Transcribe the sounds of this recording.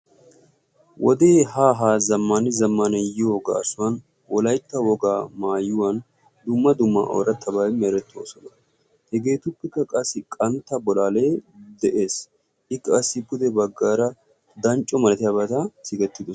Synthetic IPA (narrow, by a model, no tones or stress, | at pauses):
wʔɔd̪eːhaːɦaːzɐmːaːnɪzɐmːaːnɐjɪɔɡa̰ːsʊwɐn | wɔlɐjt̪ːɐwɔɡaːmaːjːʊwan | d̪ʊmːɐd̪ʊmːɐʔo̰ːɾɐt̪ʰːɐbaːɪmeɾɛt̪ːo̰ːsɔnɐ | hɛɡe̞ːt̪ʊpːɛkːɐkʼɐsɪkʼɐnt̪ːɐbɔlaːle̞ːd̪ɛʔeːs | ɪkːɐsɪbʊd̪ɛbɐɡːaːɾɐ | d̪ɐnt͡ʃʼːɔmɐlɐt̪ɪjɐbɐt̪asɪɡɛt̪ːɪd̪ʊ